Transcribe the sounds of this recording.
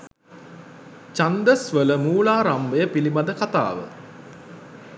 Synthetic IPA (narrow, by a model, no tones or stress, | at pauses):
t͡ʃand̪əsʋələmuːlaːɾambəjəpilibad̪əkat̪a̰ːʋə̰